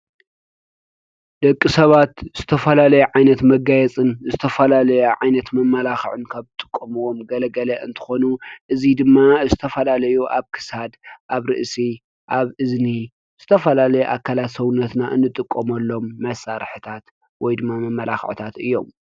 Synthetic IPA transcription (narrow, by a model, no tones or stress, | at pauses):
d̪̥ɐkʼːisɐβat̪z̥ɨt̪ʰɐfɐlalɐjuʕajnɐt̪mɐɡajɛt͡sʼɨnzɨt̪ʰɐfɐlalɐjuʕajnɐt̪mɐmːɐlaxɨʕɨnkʰaβzɨt̪ʼɨkʼːomɨwomɡɐlɐɡɐlɐʔɨnt̪ʰɨ̥xo̞nuʔɨzid̪ɨmːazɨt̪ʰɐfɐlalɐjuʔaβkʰɨ̥sad̪ʔaβɾɨ̰ʔsi | ʔaβɨzni | z̥ɨt̪ʰɐfɐlalɐjuʔakʰːalat̪sɐβʊnːɐt̪naʔɨnːɨt̪ʼɨkʼːomɐlːo̞mːɐsaɾħɨt̪ʰat̪ | wɔjd̪ɨmːamɐmːɐla̰xʕɨ̰t̪ʰat̪ɨjːo̞̰m